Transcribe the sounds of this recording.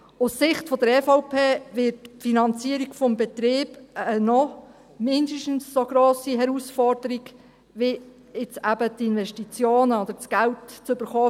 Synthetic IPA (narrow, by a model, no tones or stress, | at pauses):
ʊssɪχtfod̥̪əɾɛfɔʊpʰeːʋɪtfinɑnt͡siəɾiɡfɔmbɛt̪ɾeːbənɔ | mɪndəʃtn̩ssoɡɾoːsiɦɛɾusfɔrd̥əɾiɡ | ʋi | ɪt͡sæbətɪnʋɛʃtit͡sjoːnəɔd̥̪əɾt͡sɡ̥æltt͡sʏb̥əɾχɔː